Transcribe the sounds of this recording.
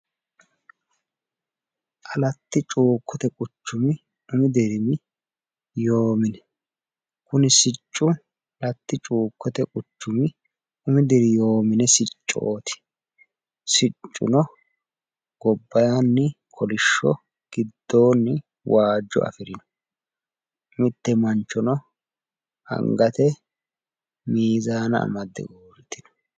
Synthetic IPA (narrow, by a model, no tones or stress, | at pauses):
ʔɐlɐt̪ːɪt͡ʃʼuːkːɔt̪ɛkʼʊt͡ʃːʊmɪ | ʊmɪd̪ɛɾɪmɪ | joːmɪnɛ | kʊnɪsɪt͡ʃʼːʊ | ɐlɐt̪ːɪt͡ʃʼuːkːɔt̪ɛkʼʊt͡ʃːʊmɪ | ʊmɪd̪ɛɾɪjoːmɪnɛsɪt͡ʃʼːo̰ːt̪ʰɪ̥ | sɪt͡ʃʼːʊ̰nɔ | ɡ̥ɔbːɐjanːɪ | kʰɔlɪʃːɔ̰ | ɡ̥ɪd̪ːo̞ːnːɪ | waːd͡ʒːɔ̰ʔɐ̰fɪɾɪnɔ | mɪt̪ːɛmɐnt͡ʃːɔnɔ | hɐ̰ŋɡɐt̪ɛ | miːzaːnɐ̰ːmɐd̪ːɛ̰uːɾt̪ːɪ̥nɔ̥